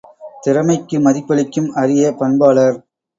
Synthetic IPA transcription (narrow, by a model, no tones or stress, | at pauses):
t̪ɪɾɐmɐɪkːɯmɐðɪpːɐɭɪkːɯmɐɾɪjɐpɐnbaːɭɐɾ